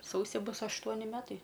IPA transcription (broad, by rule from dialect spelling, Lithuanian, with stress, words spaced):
ˈsɐʊsʲɪ ˈbʊs ɐʃˈtuɔnʲɪ ˈmʲæːtɐɪ